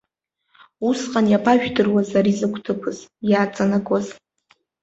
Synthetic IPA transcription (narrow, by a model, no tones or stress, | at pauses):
usqʼanjapʰʼaʒᶣdɨrwazaɾizɨkʷʰtʰɨpʰɨzjaːt͡sʼanakʼaz